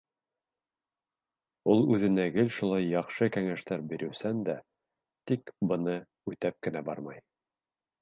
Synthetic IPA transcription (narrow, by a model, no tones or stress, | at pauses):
ulˠʉðɘ̆næɡɘlʲʃulˠɑjːɑχʃɤkæŋæʃt̪æɾbiɾʔɘ̆wsænd̪æ | t̪ikbɤ̆nɤ | ʉt̪æp̚kɘ̆næbɑ̰ɾmɑj